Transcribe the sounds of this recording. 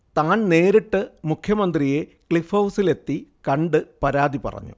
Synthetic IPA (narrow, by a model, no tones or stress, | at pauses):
t̪aːɳne̞ːɾiʈːɨmukʰjɐmɐnd̪rije̞kɭifowsile̞t̪ːikɐɳɖɨpɐɾaːðipɐ̰rɐ̰ɲːṵ